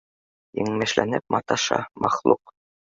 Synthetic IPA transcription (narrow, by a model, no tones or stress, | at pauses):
iŋmæʃlæ̰nɘp̚mɑt̪ɑʃɑ̰mɑχlˠuq